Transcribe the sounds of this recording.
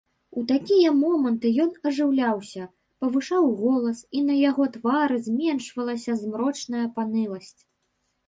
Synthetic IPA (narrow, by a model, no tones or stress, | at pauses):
ut̪akʲijɐmɔmɐnt̪ɨjɔn̪ɐʐɨwlʲawsʲɐ | pɐvɨʂawɣɔlˠɐsinɐjaɣɔt̪vaɾɨzʲmʲɛnʂvɐlˠɐsʲɐzmɾɔt͡ʂnɐjɐpanɨlˠɐsʲt͡sʲ